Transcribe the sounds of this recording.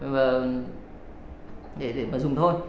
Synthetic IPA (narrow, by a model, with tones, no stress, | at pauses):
vaː˨˩ | ɗe˧˩ɗe˧˩maː˨˩zʊ˨˩ŋ͡mt̪ʰo˧j